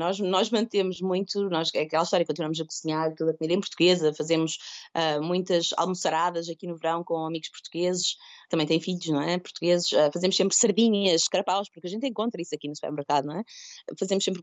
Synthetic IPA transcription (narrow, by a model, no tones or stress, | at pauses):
nɔʒnɔʒmɐ̃nt̪emuʒmũj̃t̪unɔʃɛɐkɛlˠɐʃt̪ɔɾɐkõt̪inwɐamuzɐkuziɲaɾt̪uðɐkumiðɐ̃puɾt̪uɣezɐfɐzemuʃamũj̃t̪ɐza̰lˠmusɐɾaðɐzɐkinuvɨɾɐ̃w̃kõɐmiɣuʃpuɾt̪uɣezɨʃt̪ɐ̃mɐ̃j̃t̪ɐ̃j̃fiʎuʃnɐ̃ɛpuɾt̪uɣezɨʃɛfɐzemʊʃsẽmpɾsɐɾðiɲɐʃkɐɾɐpawʃpuɾkɐʒẽnt̪̬ẽŋkõnt̪ɾɐisɐkinusu̥pɛ̰ɾmɨɾkaðunɐ̃ɛfɐzemʊʃsẽmpɾ